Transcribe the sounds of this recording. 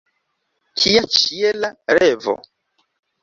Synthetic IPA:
kʰiat͡ʃielaɾevo̰

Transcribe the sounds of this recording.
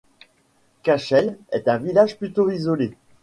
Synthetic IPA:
kaʃɛlɛ̰t̪ɛ̃vilaʒplyt̪oizɔle

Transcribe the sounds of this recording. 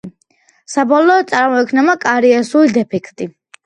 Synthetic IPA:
sabɔlˠɔːd̪t̪sʼaɾmɔɛkʰnɛmakʼaɾiasulid̪ɛpʰɛkʰt̪ʼi

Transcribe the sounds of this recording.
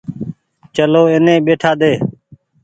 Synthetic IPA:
t͡ʃəloːɪnẽːɓeːʈʰaːd̪eː

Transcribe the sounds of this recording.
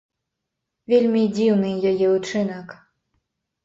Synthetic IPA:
vʲelʲmʲid͡zʲiwnɨjajɛut͡ʂɨnɐk

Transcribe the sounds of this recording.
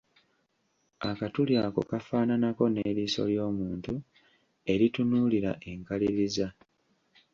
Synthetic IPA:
akatuljaːko̞̰kafaːnanako̞neɾiːso̞̰ljo̞ːmuːntu | e̞ɾitunuːliɾa̰ʔe̞ŋkaliɾiza

